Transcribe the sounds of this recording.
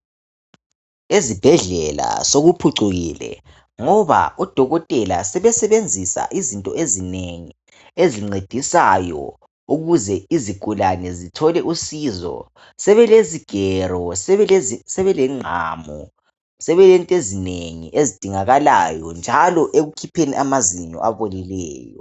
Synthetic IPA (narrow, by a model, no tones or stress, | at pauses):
ezib̥ʱɛɮɛla̰soɣupʰuǀuɣiːlɛ̰ | ŋɔβa̰ɔd̥ʱɔɣɔtʼɛla̰sɛβɛsɛβend͡zʱisa̰ʔizintʼɔezineŋi | eziŋ͡ǀed̥ʱisajɔ̰ | uɣuzɛiziɡ̥ʱulanɛzitʰɔlɛʔusizɔ̰ | sɛβɛleziɡ̥ʱɛrɔsɛβɛsɛβɛlɛŋ͡ǀʱa̰ːmɔ̰ | sɛβɛlɛntʼezineŋḭʔezid̥ʱiŋaɣalajɔnd͡ʒʱalɔʔeɣukʰipʰenḭʔamaziɲɔ̰ʔaβolilɛ̰ːjɔ̰